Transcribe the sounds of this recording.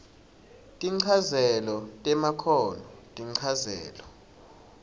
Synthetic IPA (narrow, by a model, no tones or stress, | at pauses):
tʼiǀʰazɛlɔtʼɛmakʰɔnɔtʼiǀʰazɛ̰ːlɔ